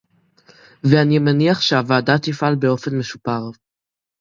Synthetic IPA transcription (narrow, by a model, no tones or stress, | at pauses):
veanimeniaχʃeavaːdat̪ifalbeo̞fe̞nmeʃupaʁ